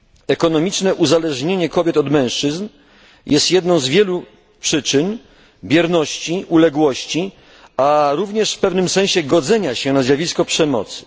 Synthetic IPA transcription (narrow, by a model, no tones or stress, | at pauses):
ɛkɔnɔmʲit͡ʂnɛʔuzalɛʐɲeɲɛkɔbʲjɛt̪ɔd̪mɛ̃w̃ʂt͡ʂɘzn | jɛst̪jɛd̪nɔ̃w̃zvʲjɛlu | pʂɘt͡ʂɘn | bʲjɛɾnɔɕt͡ɕiʔulɛɡwɔɕt͡ɕi | aɾuvɲɛʂfpɛvnɘmsɛw̃ɕɛɡɔd̪zɛɲaɕɛnazʲjavʲiskɔpʂɛmɔ̰t̪sɘ̥